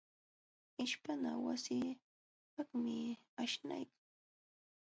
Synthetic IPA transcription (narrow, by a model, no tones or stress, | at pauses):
ɪʃpanawasiː | pakmɪaʃna̰jkaŋ